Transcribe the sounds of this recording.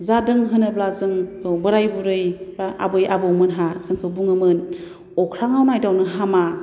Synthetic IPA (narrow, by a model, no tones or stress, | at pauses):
zadɯŋɦɯnɯblazɯŋbɯɾajbuɾɯjbaa̰bɯjabowmɯnɦasɯŋkʰɯbuŋɯmɯn | ɔkʰɾaŋawnajdawnɯɦama